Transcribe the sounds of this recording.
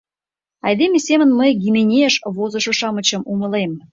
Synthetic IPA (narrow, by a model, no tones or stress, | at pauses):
ɑ̰jd̪emʲesʲemə̆nməjɡʲimʲenʲeʃβozɤ̆ʃɤ̆ʃɑmə̆t͡ɕɤ̆mʔumə̆lem